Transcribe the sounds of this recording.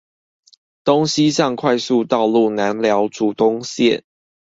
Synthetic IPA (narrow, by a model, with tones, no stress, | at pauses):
t̪o˦ŋɕi˦˥ɕɑ˥˨ŋkʰwa˥˧ɪsu˥˧t̪ɑ˥˧ʊlu˥˨˩na˨˦nljɑ˨˧˥ʊʈ͡ʂu˨˩t̪ʊ˦ŋɕjɛ˥˨n